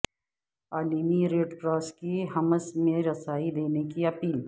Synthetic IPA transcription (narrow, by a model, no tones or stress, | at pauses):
aːliːmiɾeːɖpɾaːskiɦɐməsmẽɾɐsaːid̪eːnekiɐpiːl